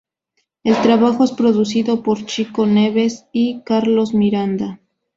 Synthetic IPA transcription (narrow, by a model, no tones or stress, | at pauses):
e̞lt̪ɾaβaxo̞e̞spɾo̞ðus̬iðo̞po̞ɾt͡ʃiko̞neβesikaɾlo̞zmiɾand̪a